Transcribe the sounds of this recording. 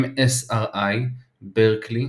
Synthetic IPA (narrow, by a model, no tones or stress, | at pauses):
mesaʁaj | beʁkʰli